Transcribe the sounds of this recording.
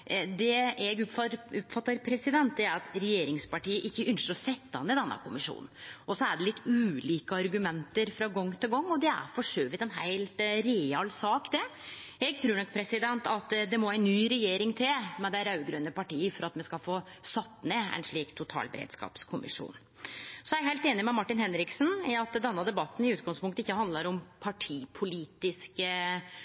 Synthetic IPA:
d̪ɛɛɡʊpfɑɾʊpfɑt̪ːɑɾpʰɾɛsɪd̪ɛnt̪̚d̪ɛæɾɑt̪ɾɛjeːɾɪŋspɑʈiːəʔɪçːəʔʏnʃəɾɔsɛt̪ːəhɑnːəd̪ɛnːə̰kʰʊmɪʂṵːnn̩ʔɔsɔæɖɛlɪt̪ːʉːliːkəɑɾɡʉmɛnt̪əɾfɾɑɡɔŋːt̪ʰɪlɡɔŋːɔd̪ɛæ̰ɾfɔʂøːʋɪt̪ɛnɦæɪlt̪ɾeɑlsɑːkd̪ɛ | ɛɡ̚t̪ʰɾʉːɳɔk̚pʰɾɛsɪd̪ɛnt̪ɑt̪d̪ɛmɔæɪnːyːɾɛjeːɾɪŋt̪ʰɪlmɛd̪æɪɾɑʉɡɾœnəpɑʈiːəfɔɾɑt̪mɛskɑlfoː | sɑt̪ːneːɛ̰nʂɭiːkt̪ʰːʊt̪ʰɑ̰ːlbə̰ɾḛːd̪skɑ̰ːpskʰʊmɪ̰ʂṵːn | sɔjæɛɡɦæɪlt̪eːnɪmɛmɑʈːɪnhɛnɾɪksn̩iɑt̪d̪ɛnːɑd̪ɛbɑt̪ːn̩ɪʉːt̪ɡɑŋspʊŋkt̪əɪçːəhɑnd̪ləɾɔmpʰɑʈʰiːpʰʊliːt̪ɪskə

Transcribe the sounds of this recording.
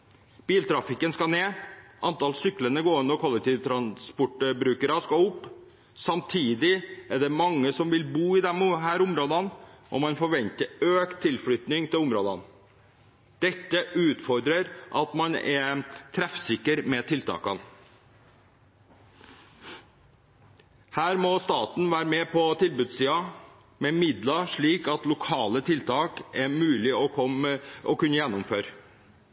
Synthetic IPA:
b̥iːlt̪ʰɾɑfɪkənskɑneːʔɑnt̪ɑlsʏklənəɡoːʉnəkʰɔlɛk̚t̪ʰiːʋət̪ʰɾɑnspʊʈbɾʉːkəɾɑskɑʊpː | sɑmt̪ʰiːd̪ɪɛɖɛmɑŋːəsɔmʋɪlbuːɪd̪ɛmɦæːɾʊmɾoːd̪ɑnʔɔ̰mɑnfɔɾʋɛnt̪əɾøːkt̪ʰːɪlfɽʏt̪nɪŋt̪ʰɪlʊmɾoːd̪ɑn | d̪̥ɛt̪ːəʔʉːt̪fɔɾd̪ɾəɾʔɑt̪mɑnɛt̪ʰɾæfsɪkːəɾmɛt̪ʰɪlt̪ʰɑ̰ːkɑn | hæːɾmɔst̪ɑːt̪n̩ʋæːɾəmɛpʰɔt̪ʰɪlbʉd̪siːɑ | mɛmɪd̪lɑʂɭiːkɑt̪lʊkʰɑːlət̪ʰɪlt̪ʰɑːkɛmʉːlɪɔkɔmɔkʉnːəjɛnːʊmføːɾə

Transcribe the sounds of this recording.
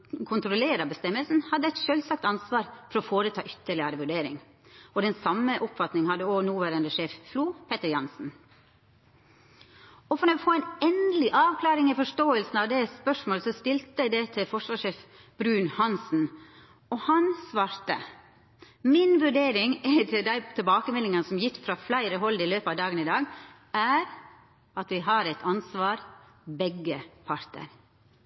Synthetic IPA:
kʰʊnt̪ɾʊleːɾɑbəst̪ɛmːəlsn̩hɑd̪ːəæɪt̪ʃœlsɑk̚t̪ɑnsʋɑːɾfɔɾɔfoːɾət̪ʰɑ̰ːʔʏt̪ːəɭɪəɾəʋʉɖeːɾɪ̰ŋ | ɔd̪ɛnsɑmːəʔʊpfɑt̪nɪŋhɑd̪ːəoːnuːʋæːɾənd̪əʂeːffluːpʰɛt̪əɾjɑnsn̩ | ɔfɔɾɛfoːæɪnɛnd̪lɪʔɑːʋkʰlɑːɾɪŋɪfɔʂʈoːəlsn̩ɑʋd̪ɛspœʂmoːləsɔst̪ɪlt̪əæɪd̪ɛt̪ʰɪlfɔʂʋɑːʂeːf | b̥ɾʉːnhɑnsn̩ | ɔhɑnsʋɑːɾt̪ə̰ | mɪnʋʉɖeːɾɪŋæt̪ʰɪd̪æɪt̪ʰɛlbɑːkəmɛlːɪŋənsɔmjɪk̪ːfɾɑːflæɪɾəɦɔlɪløːpəɑʋd̪ɑːɡənɪd̪ɑːɡ | æɾ | ɑt̪ʋɪɦɑɾɛt̪ʰɑnsʋɑːɾ | bɛɡːəpʰɑɾt̪ə̰ɾ

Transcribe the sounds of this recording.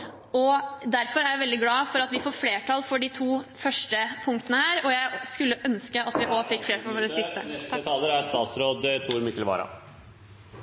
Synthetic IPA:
ɔd̪æɾfɔɾæɾjæɪʋɛld̪ɪɡlɑːfɔɾɑt̪ʋɪfoːɾfleːʈʰɑːlfɔɖit̪ʰuːfœʂʈəpʰʊŋkt̪ənəhæːɾɔjæɪskʉlːəʔœnskəɑt̪ʋɪʔɔfɪkːfleːʈʰɑlʋoːɾəsɪst̪ət̪ʰɑːləɾæɾst̪ɑːt̪sɾoːd̪t̪ʰuːɾmɪkəlʋɑ̰ːɾɑ̰

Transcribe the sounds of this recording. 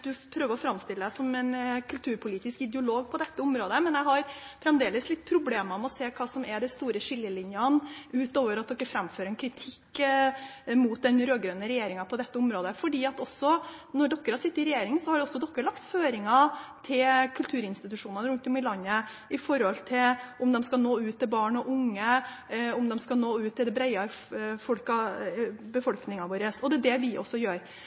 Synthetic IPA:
d̪ʉpʰɾøːʋəɾɔfɾɑmːst̪ɪləd̪æɪsɔmɛnkʰʉlt̪ʰʉːɾpʰʊliːt̪ɪskɪd̪əʊloːɡpʰɔd̪ɛt̪ːəʊmɾoːd̪əmɛnjɛhɑɾfɾɛmd̪eːləslɪt̪̚ːpʰɾʊbleːməɔmɛɔseːkʰɑːsɔmɛɖɛst̪uːɾəʂɪlːəlɪnjəənʉːt̪oːʋəɾɑt̪̚d̪ɔkːəfɾæmføːɾɛnkʰɾɪt̪ʰɪkː | muːt̪̚d̪ɛnɾøːɡɾøːnəɾɛjeːɾɪŋɑpʰɔd̪ɛt̪ːəɔmɾoːd̪əfɔɖiːɑt̪ɔsːɔnɔɖɔkːəɾhɑɾʂɪt̪ːəɪɾɛjeːɾɪŋənsɔhɑɖɛɔsːɔd̪ɔkːəɭɑkt̪føːɾɪŋɑt̪ʰɪlkʰʉlt̪ʰʉːɾɪnst̪ɪt̪ʉʂuːnənəɾʉnt̪ɔmɪlɑɲːə | ʔɪfɔɾhɔlt̪ʰɪlʔɔmd̪ɛmskɑnoːʉːt̪ʰːɪlbɑːɳɔʔʊŋːə | ʊmd̪ɛmskɑnoːʉːt̪ːɪld̪ɛbɾæɪɑfɔlkɑ | bəfɔlknɪŋɑʋoːɾəsɔd̪ɛd̪ɛʋɪʔɔ̰sːɔjøːɾ

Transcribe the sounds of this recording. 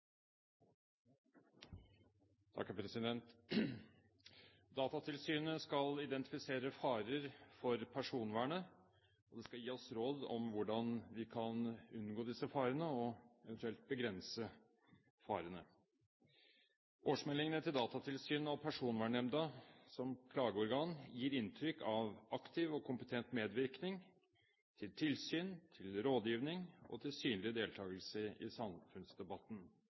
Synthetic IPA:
t̪ʰɑ̰kːæpʰɾɛsɪd̪ɛnt̪ | d̪ɑːt̪ɑt̪ʰɪlsyːnəskɑlɪd̪ɛnt̪ɪ̥fɪseːɾəfɑːɾəɾfɔɾpʰæʂuːnʋæːɳə | ɔd̪ɛskɑjiːɔsɾoːd̪ɔ̰mʋʊɖɑnʋɪkʰɑnʉnɡoːd̪ɪsəfɑːɾənəɔɛʋənt̪ʉɛlt̪̚bəɡɾɛnsə | fɑːɾənə | ʔoːʂmɛlːɪŋənət̪ʰɪld̪ɑːt̪ɑt̪ʰɪlsyːnɑʋpʰæʂuːnʋæɳɛmd̪ɑsɔmkʰlɑːɡəɔɾɡɑːnjiːɾɪnt̪ʰɾʏkːʰɑʋɑkt̪ʰɪʋɔkʰʊmpə̥t̪ʰɛnt̪meːd̪ʋɪɾknɪŋ | t̪ʰɪlt̪ʰɪlsyːnt̪ʰɪlɾoːd̪jiːʋnɪŋɔ̰t̪ʰɪlsyːnlɪd̪eːlt̪ʰɑːɡəlsəɪ̰sɑmfʉnsd̪ɛbɑt̪ːn̩

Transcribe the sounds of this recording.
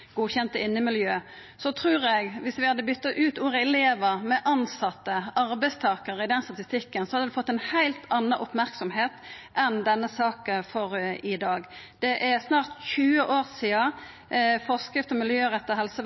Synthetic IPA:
ɡ̥uːçɛnt̪əɪnːəmɪljøː | sɔt̪ʰɾʉːɾɛɡʋɪsʋɪhɑd̪ːəbʏt̪ːɑʔʉːt̪uːɾəɛleːʋəʁmɛʔɑnsɑt̪ːəɑɾbæɪst̪ʰɑːkəʁəɪd̪ɛnst̪ɑt̪ɪst̪ɪkːənsɔhɑd̪əd̪ʉfɔt̪ːɛɪnhæɪlt̪ʰɑnːɑʔʊpmæɾksɔmheːt̪ | ʔɛnd̪ɛnːəsɑːkəfɔɾɪd̪ɑːɡ | d̪̥ɛʔæsnɑːʁt̪çʉːəʔoːʁsiːɑ | fɔʁskɾɪft̪ɔmɪljøːʁɛt̪ːəɦɛlsə

